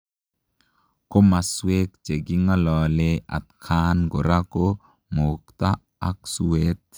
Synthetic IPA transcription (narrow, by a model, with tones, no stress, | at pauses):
ko˦ma˨swe˦kd͡ʒe˨ɡi˦ŋa˦lɔlea̰˨t̪kʰanɡo˨ɾako | mokt̪a˦ | a˦ksuwet̪